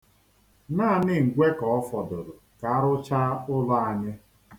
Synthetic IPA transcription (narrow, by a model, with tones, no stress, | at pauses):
naː˦˨nɪ˦ŋ̩˨ɡʷe˦kɔ˨ɔ˦fɔ˨dʊ˨ɾʊ˨ka˨a˦ɾʊ˦t͡ʃa˦ʊ˦lʊ˦a˨ɲɪ˦